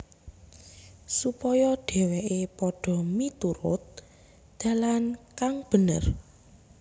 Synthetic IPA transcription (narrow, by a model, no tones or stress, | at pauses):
supɔjɔɖ̥ɛ̤weʔepɔɖ̥ɔ̤mit̪uɾʊ̰t̪̚ | d̪̥a̤lankaŋb̥ə̤nə̰r